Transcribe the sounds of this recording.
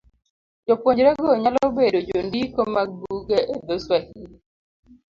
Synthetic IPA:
d͡ʒopwoɲd͡ʒɾɛɡoɲalɔbedod͡ʒondikomaɡ̚buɡeʔed̪oswakini

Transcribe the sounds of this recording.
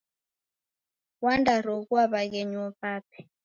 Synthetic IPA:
wandaɾɔkuaβak̬eɲɔɸaːpʰɛ̥

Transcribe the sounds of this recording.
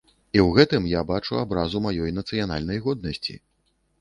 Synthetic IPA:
iwɣɛt̪ɨmjabat͡ʂuabɾazumajɔjnɐt̪sɨjan̪a̰lʲnɐjɣɔd̪̚nɐsʲt͡sʲḭ

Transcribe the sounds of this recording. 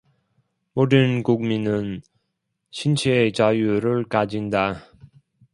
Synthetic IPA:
modɯnkuk̚minɯn | ɕʰint͡ɕʰet͡ɕajuɾɯɭkad͡ʑinda

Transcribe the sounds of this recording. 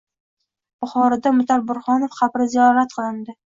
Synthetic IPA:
b̥ʊχɒɾɪd̪amʊt̪ʰaɾbʊɾχɒnofqʰɑpɾɪzijɒɾat̪qʰɨlˠɪnd̪ɪ

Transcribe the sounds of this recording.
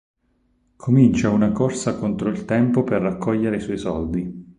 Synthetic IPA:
kʰomint͡ʃaunakorsakont̪ɾoilt̪ɛmpoperːakʰːɔʎːeɾeisɔisɔld̪i

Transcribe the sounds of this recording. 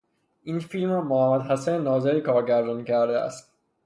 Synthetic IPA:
ʔiːnfilmɾɔːmohæmːæd̪hæsænnːɒːzeɾiːkʰɒːɾɟæɾd̪ɒnicʰæɾd̪eæ̰st̪̚

